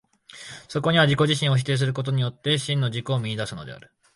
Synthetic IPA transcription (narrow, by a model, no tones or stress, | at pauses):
so̞ko̞ɲ̟iβad͡ʑiko̞ʑiɕĩɰ̃o̞ç̬i̥t̪e̞ːs̬ɨɾɯ̟ko̞t̪̬o̞ɲ̟ijo̞t̪ːe̞ɕĩnːo̞d͡ʑiko̞ːmʲiɲʲid̪asɨno̞d̪ḛa̰ɾɯ̟